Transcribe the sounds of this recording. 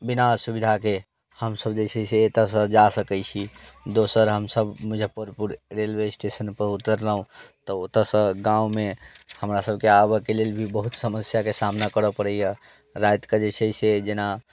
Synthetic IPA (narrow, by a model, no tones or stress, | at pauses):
binasubid̪ʱake | həmsəbd͡ʒesɛseːt̪əs̬ə̃d͡ʒasəkəjt͡ʃʰid̪osəɾɦəmsəbmud͡ʒʱəpəɾpuɾɾelwesʈesənpəɾut̪əɾləɦũt̪ɔot̪əsə̃ɡãumehəmɾasəb̚ʱkeabəkelelbʱibəɦut̪səməsjakesamnakəɾəpəɽəjjə | ɾajt̪kəd͡ʒesəjsed͡ʒena